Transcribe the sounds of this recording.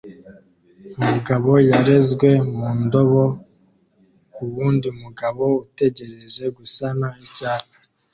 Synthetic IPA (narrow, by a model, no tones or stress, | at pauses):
umuɡaβo̞jaɾe̞zɡwe̞muːndo̞βo̞ | kuβuːndiumuɡaβo̞ute̞ɟe̞ɾe̞ze̞ɡusanaicaːkḁ